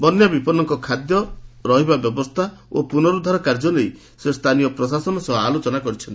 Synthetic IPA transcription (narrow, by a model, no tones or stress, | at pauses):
bɔnjabipɔnɔŋkɔkʰad̪jɔɾɔɦibabjɔbɔst̪ʰaopunɔɾud̪ʱaɾɔkaɾd͡ʒɔlei | sest̪ʰaniɔpɾɔs̬asɔnɔsɔɦalot͡ʃɔnakɔɾit͡ʃʰɔnt̪i̥